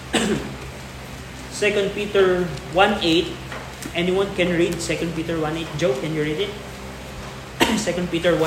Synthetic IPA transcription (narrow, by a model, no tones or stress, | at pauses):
sɛkɔ̃nd̪̚piːt̪ɛɹwãnejt̪̚ | ʔɛniwãnkɛ̃nɹid̪̚sɛkɔ̃nd̚piːt̪ɛɹwãnejt̪̚d͡ʒowkɛ̃njuɹid̪ɪt̪̚ | sɛkɔ̃nd̪̚piːt̪ɛɹwã